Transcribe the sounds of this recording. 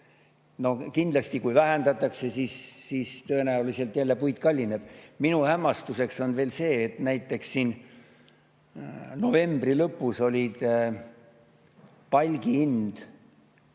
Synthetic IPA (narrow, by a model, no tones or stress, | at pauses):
no̞kind̪lɑst̪ikujvæɦænd̪̥ɑt̪ːˑɑkse̞sisːiːst̪ɤ̞e̞næulise̞lt̪ːˑjælːe̞pujd̪kɑlʲːineb̥̚minuhæmːɑst̪use̞kso̞nve̞ːlse̞ːt̪næjt̪ːˑe̞kssiːn | no̞ve̞mb̥rilɤpːuso̞lʲid̪̥ | pɑlʲɡ̥iind̪̥